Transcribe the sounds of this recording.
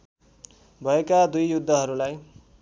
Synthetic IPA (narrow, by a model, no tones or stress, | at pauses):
bʱʌekad̪ujːud̪ʱːʌɦʌɾulaj